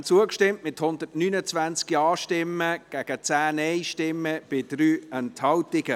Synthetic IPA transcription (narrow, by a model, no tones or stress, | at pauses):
t͡suəkʃtɪmtmɪthʊnd̪ətnynət͡svænt͡skiɑːʃtɪmːəɡ̥æɡ̥ət͡sæːnɛɪʃtɪmːəb̥ɪd̥ɾyːənthɑwtɪɡ̥ə